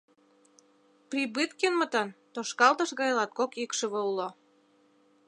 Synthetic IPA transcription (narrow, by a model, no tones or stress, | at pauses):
prʲibɨt̪kenmə̆t̪ɤnt̪oʃkɑlt̪ɤ̆ʃɣɑjlɑt̪̚kokikʃə̆βɤulo